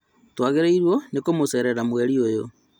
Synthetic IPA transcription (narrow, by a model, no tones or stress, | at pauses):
twaɣeɾeiɾwɔnekomosɛɾɛɾamwɛɾiojo